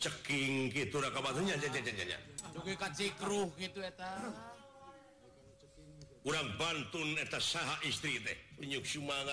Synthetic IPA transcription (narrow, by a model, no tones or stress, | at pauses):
t͡ʃəkiŋkit̪uɾakabat̪uɲad͡ʒad͡ʒad͡ʒaɲa̰ɲa̰ukukat͡ʃikɾuhkit̪uet̪a | uɾaŋbant̪unɛt̪asaɦaʔist̪ɾit̪ɛ̰puɲuksumaŋa